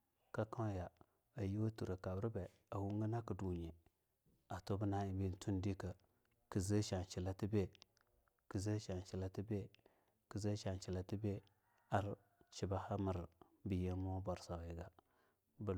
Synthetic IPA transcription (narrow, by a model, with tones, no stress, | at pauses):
ka˦ka˦ja˨ | a˨ji˦wtu˨ɾə˨ka˨bɾi˦be˨ | a˨wu˦ŋ˦ɡə˦na˦kə˨du˨ɲe˨ | a˨to˦bə˦na˦i˨bi˦n˦tʰu˦ndi˦kə˨ | kə˨zə˦ʃa˨n˨t͡ʃi˨la˦ti˦be˦ | kə˨zə˦ʃa˨nt͡ʃi˨la˦ti˦be˦ | kə˨zə˦ʃa˨n˨t͡ʃi˨la˨ti˦be˦ | a˦ɾ | t͡ʃi˨ba˦ha˦mə˨ɾ | bi˨je˦m˦o˦bo˨ɾsa˨wi˨ɡa˨ | bə˨